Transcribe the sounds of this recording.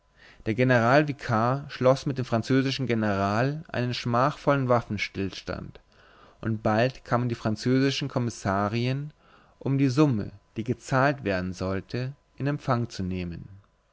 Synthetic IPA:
d̥eːɐɡenəʁaːlviːkʰaʃlɔsmɪt̚d̥eːmfʁ̥ant͡søːzɪʃn̩ɡenəʁaːlʔa̰ɪnənʃmaːχfɔlənvafn̩ʃtɪlʃta̰nt | ʔʊntb̥altkʰaːməndiːfʁ̥ant͡søːzɪʃn̩kʰɔmɪsaːʁiən | ʔʊmdiːzʊmə̰d̥iːɡət͡saːltv̥eːɐdn̩zɔltʰə | ʔɪnɛmpfaŋt͡suneːmən

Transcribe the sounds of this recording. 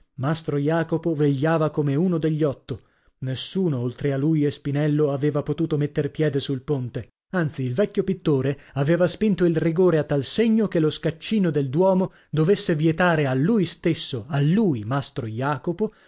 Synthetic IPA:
mast̪ɾojaːkopoveʎːaːvakomeuːnod̪eʎːɔt̪ːo | nesːuːnoolt̪ɾealːuːjespinɛlːoaveːvapot̪uːt̪omet̪ːerpjɛːd̪esulpont̪e | ant̪siːlvɛkʲːjopit̪ːoːɾeaveːvaspint̪oilriɡoːɾeat̪ːalseɲːokeloskat͡ʃːiːnod̪eld̪wɔːmo | d̪ovesːevjet̪aːɾealːujst̪esːoalːuːjmast̪ɾojaːkopo

